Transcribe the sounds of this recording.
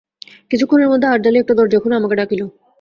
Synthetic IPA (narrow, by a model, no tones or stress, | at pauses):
kit͡ɕʰukʰːoneɾmod̪ʱːeaɾd͡ʑaleɛkʈad̪ɔɾd͡ʑɔkʰonamakeɖakilo